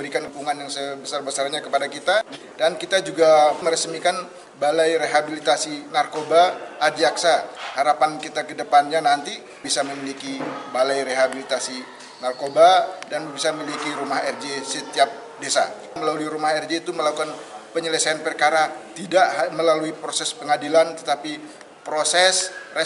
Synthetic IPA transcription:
bəɾikanəkuŋanjaŋsəabəsarbəsarɲakəpadakit̪a | dankit̪ad͡ʒuɡaməɾəsmikan | balajreɦabilit̪asinarkobaːdiaksahaɾapankit̪akədəpanɲanant̪i | bisaməmilikibalajɾeɦabilit̪asi | narkobadanəbisamilikiɾumaɦɛrɡesət̪iap̚ | desa̰ | məlaluiɾumahɛrd͡ʒeːt̪uməlakukanpəɲələsaanpərkaɾat̪idaʔməlaluipɾosɛspəŋadilant̪ət̪api | pɾosɛsrə

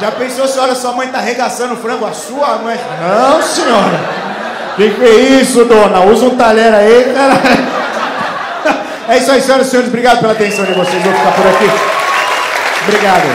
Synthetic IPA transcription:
ʒapẽsosɪɔʎɐsuɐmɐ̃j̃t̪aɦeɡasɐ̃nʊfɾɐ̃ŋɡʊasuɐmɐ̃j̃nɐ̃w̃seɲɔɾɐ | k̪ẽj̃kɪveɾisʊd̪õnɐuzɐũt̪aʎɛɾaik̪aɾal | ɛisʊaisẽoɾɐsẽɲoɾɪzbɾiɡad̪ʊpelat̪ẽsɐ̃w̃d͡ʒɪvosejzvõwfikapʊɾaki | bɾiɡad̪ʊ̰

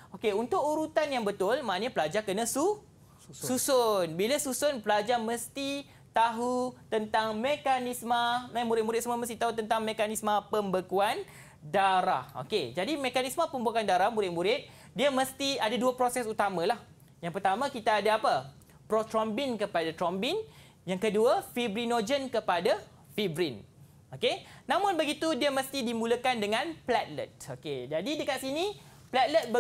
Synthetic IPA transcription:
okeunt̪ʊkuɾut̪anjaŋbət̪ʊlmãaɲapəlad͡ʒakənãsu | susʊnbilasusʊnpəlad͡ʒamə̃st̪i | t̪aɦut̪ənt̪aŋmekanĩsmãnãmuɾɪt̪̚muɾɪsəmaməst̪iht̪aɦut̪ənt̪aŋmẽkanĩsmãpəmbəkuan | daɾa̰ho̰ked͡ʒadimẽkanismãpəmbakandaɾahmuɾɪt̪̚muɾɪt̪̚ | diamə̃st̪iadaduapɾosɛsut̪amãlah | jaŋpərt̪amãkit̪aːdaapə | pɾot̪ɾɔmbinkəpadat̪ɾɔmbin | jaŋkəduafibɾinod͡ʒənkəpada | fibɾin | okenãmʊ̃nbəɡit̪udiəmə̃st̪idimũləkandəŋãnplat̪̚lə̰t̪̚oked͡ʒadidəkat̪sini | plat̪̚lət̪̚bə

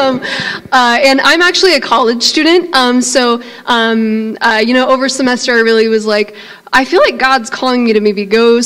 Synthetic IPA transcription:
ʌ̃mʌɨ̃nã̰ɪ̃mæk̚t͡ʃul̩ˠiɨkʰɑlˠɨd̥ʒ̥stʉdⁿn̩t̚ʔʌ̃msoʊ | ʔʌ̃mʌjɨñoʊʔoʊvə˞səmɛstə˞ɹɪlˠiwʌzlaɪk | ʔaɪfilaɪk̚ɡ̥ɑdz̥kʰɔlˠɪ̃ŋmiɾɨmeɪbiɡoʊs

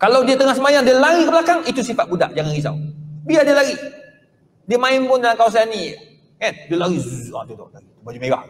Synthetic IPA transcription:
kalawdiat̪əŋahsəmajaŋdialaɾikəbəlakaŋit̪usifat̪̚buda̰ʔd͡ʒaŋanis̬a̰wbiadiəlaɡi | diəmaɪmpʊndalaŋkawasani | kandiəlaɾizuat̪ut̪ɔ̰ʔlaɡit̪ubad͡ʒimeɡa̰h

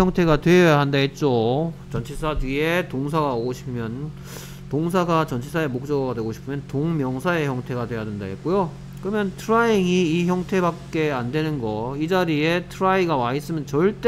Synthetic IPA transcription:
ʌŋtʰe̞ɡadwe̞jaɦandaet̚t͡ɕ͈ot͡ɕʌnt͡ɕʰisʰadɥie̞toŋs̬ʰaɡaoɡoɕʰi̥pʰɯmjʌn | toŋs̬ʰaɡat͡ɕʌnt͡ɕʰisʰaemok̚t͡ɕ͈ʌɡadwe̞ɡoɕʰi̥pʰɯmjʌntoŋmjʌŋsʰae̞çjʌŋtʰe̞ɡadwe̞jadwenda̰et̚k͈ojo | kɯɾʌmjʌntʰɯɾaiŋiːçjʌŋtʰe̞bak̚k͈e̞andwe̞nɯnɡʌid͡ʑaɾie̞tʰɯɾaiɡawais͈ɯmjʌnt͡ɕʌɭt͈e

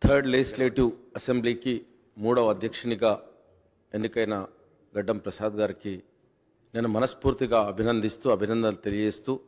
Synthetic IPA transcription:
t̪ʰɐɾɖlesleːʈuɐsembliːki | muːɽɐʋɐɐd̪ʱjɐkʂɐɳiɡaː | enːikɐjnɐ | ɡɐɖːɐmpɾɐsaːd̪ɐɡaːɾiki | neːnumɐnɐspuːɾt̪iɡaːɐbʱinɐnd̪ist̪uɐbʱinɐnd̪ɐlt̪elijeːst̪uː

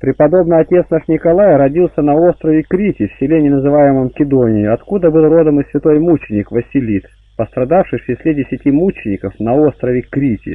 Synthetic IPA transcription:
pɾʲɪpɐd̪o̞bnɨjɐtʲe̞t̪snaʂnʲɪkɐlˠajɾɐdʲilˠsʲənɐo̞st̪ɾəvʲɪkɾʲitʲɪfsʲɪlʲenʲɪnəzɨvajɪməmkʲɪd̪onʲɪjɪɐt̪kud̪əbɨlˠro̞d̪əmɨsʲvʲɪt̪o̞jmut͡ɕɪnʲɪkvəsʲɪlʲit̪ | pəst̪ɾɐd̪afʂɨjfɪsʲlʲedʲɪsʲɪtʲimut͡ɕɪnʲɪkəfnɐo̞st̪ɾəvʲɪkɾʲitʲɪ̰

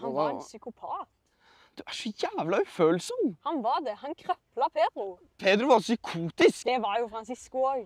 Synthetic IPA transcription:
hɑɾɛnsʏkʊpʰɑːt̪ | d̪̥ʉʔæʂɔjæːʋlɑʉføːlsɔmhɑnʋɑɾd̪ɛhɑnkʰɾœplɑpʰeːd̪ɾʉ | pʰeːd̪ɾʉʋɑɾsʏkʰuːt̪ɪskd̪ɛʋɑɾjʊfɾɑnsɪskʊoːɡ

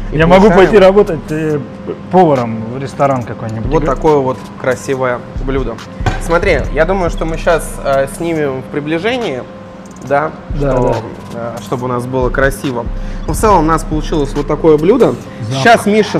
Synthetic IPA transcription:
ijamɐɡupɐjtʲiɾɐbo̞t̪ətʲə | povəɾəmvɾʲɪst̪ɐɾankɐko̞jnʲɪbuvʲot̪ːɐko̞jəvo̞t̪ | kɾɐsʲivəjəblʲud̪ə | smɐt̪ɾʲijad̪uməjʊʂt̪o̞mɨɕːasəsʲnʲimʲɪfpɾʲɪblʲɪʐɛnʲɪɪ | d̪a | ʂt̪o | ʂt̪o̞bɨʊnas̬bɨlˠəkɾɐsʲivənuft̪sɛlˠəmʊnaspəlˠʊt͡ɕilˠəsʲvo̞t̪ːɐkojəblʲud̪ə | ɕːasnʲiʂə

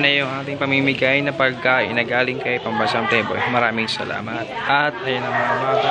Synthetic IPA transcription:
nɐjʊŋʔaːt̪ɪŋpɐŋmimɪɡajnɐpɐɡ̚kːɐɪ̰nɐːɡaːlɪŋkɐjpɐŋbɐsamt̪ɛbo̰jmɐɾaːmɪŋsɐ̰lʔa̰ːmɐt̪̚ʔɐt̪̚ʔɐjonɐŋmɐŋɐmaː

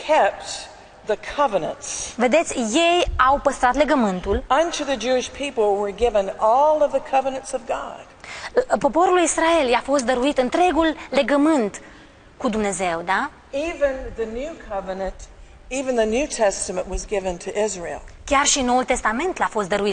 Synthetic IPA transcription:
kʰɛp̚t̪̚ | ðɨkʰʌvənə̃ntsve̞d̪e̞t̪sʲje̞jawpəst̪ɾat̪le̞ɡəmɨnt̪ulʌ̃ntʰʉðɨd͡ʒʉɪʃpʰipl̩ˠwə˞ɡɪvə̃nɔlˠʌvðɨkʰʌvənɨ̃ntsʌvɡɑ̰d̥po̞po̞ɾulisɾae̞ljafo̞st̪̚d̪əɾuit̪ɨnt̪ɾe̞ɡulːe̞ɡəmɨnt̪ | kud̪umne̞ze̞wd̪a | ivɨ̃nðɨnʉkʰʌvɨnɨ̃nt | ivɨ̃nðɨnʉtʰɛstəmə̃nʔwʌzɡɪvɨ̃ntʰɨʔɪzɹḭlˠkʲarʃinːo̞ult̪est̪ame̞nt̪lafo̞st̪̚d̪əɾuit̪

